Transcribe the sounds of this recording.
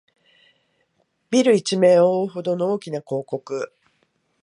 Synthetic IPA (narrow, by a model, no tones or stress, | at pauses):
bʲiɾɯ̟it͡ɕime̞ːoːɦo̞d̪o̞no̞oːkʲinako̞ːko̞kɯ̟